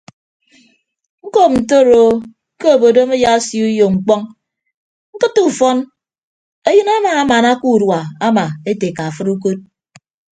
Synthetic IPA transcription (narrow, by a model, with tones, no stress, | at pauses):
ŋ̩˦ko˦˨p̚n̩˨t̬o˦˨ɾo˨˦ | ke˦o˨bo˨do˦me˦ja˦sju˦jo˨ŋ͡m̩˨k͡pɔ˦ŋ | ŋ̩˦kɨ˦tːu˦˨fɔ˦n | e˦jɨ˦na˦ma˨a˦ma˨na˦ku˦˨dwa˨a˦ma˨e˦te˨ka˨a˨fɨ˦ɾu˦k̬o˦t̚